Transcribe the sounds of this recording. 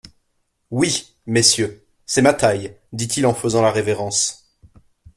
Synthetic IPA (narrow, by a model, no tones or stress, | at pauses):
wi | mesjø | sɛmat̪aj | d̪it̪ilɑ̃fəzɑ̃laʁeveʁɑ̃s